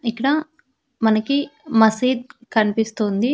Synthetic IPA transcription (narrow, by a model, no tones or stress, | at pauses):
ikːɐɽɐ | mɐnɐkimɐsiːd̪̚kɐnipist̪und̪i